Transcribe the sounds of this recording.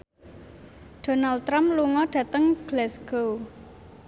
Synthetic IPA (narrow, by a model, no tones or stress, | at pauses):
ɖ̥o̤nalt̪ɾamluŋɔɖ̥ä̤t̪əŋɡ̥lɛsɡ̥ow